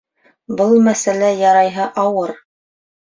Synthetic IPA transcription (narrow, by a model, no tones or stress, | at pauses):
bɤlˠmæsælæjɑɾɑjɦɤʔɑwɤɾ